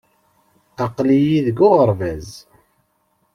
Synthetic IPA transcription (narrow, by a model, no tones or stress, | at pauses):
ɑqlijiðəɡʊʁəɾvæz